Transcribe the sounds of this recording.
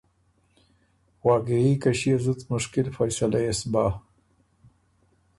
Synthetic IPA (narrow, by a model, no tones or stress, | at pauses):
wɑːɡeikaʃiazut̪mʊʃkɪlfajsalaɪsbɑ